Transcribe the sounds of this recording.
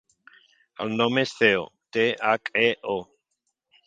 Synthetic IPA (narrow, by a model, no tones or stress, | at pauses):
a̰lnomesθeo̰t̪eakeʔo